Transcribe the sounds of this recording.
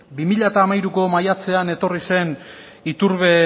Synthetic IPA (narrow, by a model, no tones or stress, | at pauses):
bimiʎat̪aːmajɾuko̞majat͡se̞ane̞t̪o̞rise̞n | it̪uɾβe̞